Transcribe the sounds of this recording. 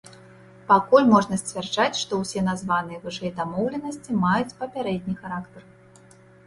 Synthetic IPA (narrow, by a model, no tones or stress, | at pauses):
pakulʲmɔʐnɐsʲt͡sʲvʲard͡ʐat͡sʲʂt̪ɔwsʲɛnazvanɨjɛvɨʂɛjɛd̪amɔwlʲɛnɐsʲt͡sʲimajut͡sʲpɐpʲaɾɛd̪̚ʲnʲixaɾakt̪ɐr